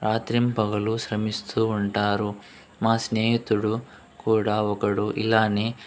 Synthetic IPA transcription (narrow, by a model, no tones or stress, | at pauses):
ɾaːt̪ɾimpɐɡɐluʃɾɐmist̪uːɳʈaːɾu | maːsneːɦit̪uɽu | kuːɽaːɔkɐɽuʔḭlaːneː